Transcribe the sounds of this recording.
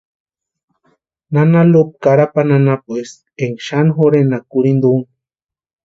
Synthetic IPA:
nanalop̚kaɾapananapwes | eŋʃanxoɾenakuɾind̪oŋ

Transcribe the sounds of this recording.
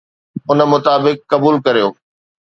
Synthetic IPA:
ʊn̆mʊt̪aːbɪkːɐbuːlkɐɾijoː

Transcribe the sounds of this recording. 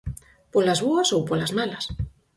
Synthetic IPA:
polazβoɐsowpolazmalɐs

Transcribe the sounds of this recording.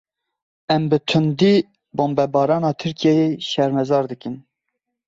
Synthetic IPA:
ɛmbɨt̪ʰɨnd̪iː | boːmbɛbɑːɾɑːnɑːt̪ʰɨɾkʰijɛjeʃɛɾmɛzɑːɾd̪ɨkɨn

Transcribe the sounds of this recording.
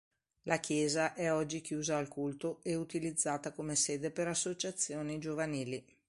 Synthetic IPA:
lʔakjɛːzaʔɛɔd͡ʒːikjuːzaːlkult̪oeut̪ilid̪zːaːt̪akomeseːd̪epeɾasːot͡ʃat̪sːjoːnid͡ʒovaniːli

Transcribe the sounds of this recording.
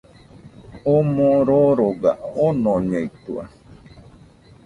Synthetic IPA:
omõɾoɾoɡa̰onõɲeit̪ṵa̰

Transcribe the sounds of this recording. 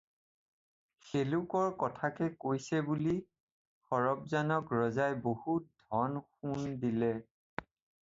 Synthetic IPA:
xelukɔɹkɔtʰakɛkojsɛbuli | xɔɹɔpzanɔkɹɔzajbohut̚dʱɔnxundilɛ

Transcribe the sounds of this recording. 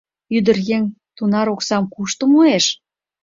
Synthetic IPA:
yd̪ə̆rjeŋ | t̪unɑɾoksɑmkuʃt̪ə̆moeʃ

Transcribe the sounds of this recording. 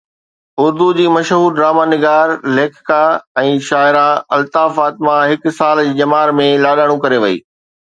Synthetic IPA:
ʊɾd̪ud͡ʑiːmɐʃɦuːɾɖɾaːmaːnɪɡaːɾleːkʰkaɛ̃ːʃaːɪɾaɐlt̪aːfaːt̪ɪmaɦɪk̆saːld͡ʑiːd͡ʑɐmaːɾmẽlaːɗaːɽ̃ũkɐɾeʋɐḭː

